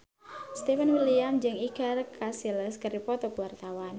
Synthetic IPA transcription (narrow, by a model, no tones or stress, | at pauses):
st̪efanwiliamd͡ʒɨŋikarkʰasiləskərdipɔt̪ɔkuwart̪awan